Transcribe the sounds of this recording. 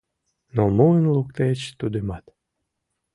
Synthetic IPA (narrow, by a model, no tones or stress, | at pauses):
nomuənluk̚t̪et͡ɕt̪ud̪ymɑt̪